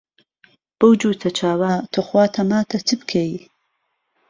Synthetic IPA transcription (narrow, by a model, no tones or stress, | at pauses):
b̥əwd͡ʒuːt̪ʰɐt͡ʃʰaːwaːt̪ʰoxwaːt̪ʰɐmaːt̪ʰɐt͡sʰɨbkʰei